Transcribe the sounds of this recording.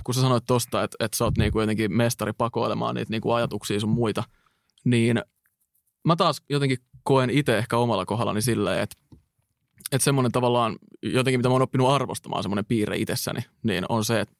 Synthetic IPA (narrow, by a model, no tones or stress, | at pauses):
kusɑsɑnoit̪t̪ost̪ɑet̪et̪sot̪niːŋkujot̪eŋkimest̪ɑɾipɑkoilemɑ̰ːnḭːt̪niːŋkuɑjɑt̪uksiːsummuit̪ɑ | niːn | mæt̪ɑːsjot̪eŋkikoenit̪eehkæomɑlːɑkoɦɑlːɑ̰nisilːḛːḛt̪ | et̪semːonent̪ɑʋɑlːɑːnjot̪eŋkimit̪æmoːnopːinuɑrʋost̪ɑmɑ̰ːnsemːonempiːɾḛḭt̪esːæ̰nʔḭ | nḭːnonseːt̪